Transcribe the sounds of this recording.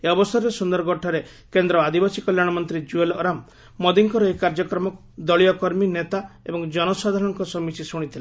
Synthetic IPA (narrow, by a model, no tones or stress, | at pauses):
eɔbɔst̪ʰaɾɾesund̪ɔɾɔɡɔʈʰɔɾe | kend̪ɾɔad̪ʱibasikɔljaɽ̃ɔmɔnt̪ɾid͡ʒuelɔɾamː | ɔd̪iŋkɔɾɔekaɾd͡ʒɔkɾɔmɔk | d̪ɔɭijɔkɔɾminet̪aebɔŋd͡ʒɔnɔsad̪ʱaɾɔŋkɔsɔmisisuɽ̃it̪ʰile